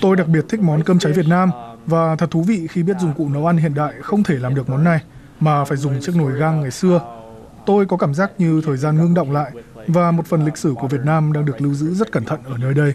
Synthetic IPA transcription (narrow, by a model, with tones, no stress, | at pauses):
t̪o˧jɗa˨˩k̚ɓi˨˩ət̚t̪ʰi˦˥k̚mɔ˨˦nkəː˧mt͡ɕa˨˦jvət̚naː˧mvaː˨˩t̪ʰə˨˩t̚t̪ʰu˨˦vḭ˧˨xi˧ɓi˦˥ət̚zʊ˨˩ŋ͡mkṵ˧˨nə˨˦wʔa˧nɦḭ˧˨ənɗa̰ː˧˨jxə˧wŋ͡mt̪ʰe˧˩laː˨˩mɗɨ˨˩ək̚mɔ˨˦nːa˨˩j | maː˨˩faː˧˩jzʊ˨˩ŋ͡mt͡ɕɨ˦˥ək̚no˧˩jɣaː˧ŋːa˨˩jsɨ˧ə | t̪o˧jkɔ˨˦kaː˧˩mzaː˦˥k̚ɲɨ˧t̪ʰəː˨˩jzaː˧nŋɨ˧əŋɗə̰˧˨ŋ͡mla̰ː˧˨jvaː˨˩mo˨˩t̚fə˨˩nlï˨˩k̟̚sɨ˧˩ku˧˩əvi˨˩ət̚naː˧mɗaː˧ŋɗɨ˨˩ək̚lɨ˧wzɨ̰˧˥zə˦˥t̚kə˧˩nt̪ʰə̰˧˨nʔəː˧˩nəː˧jɗə˧j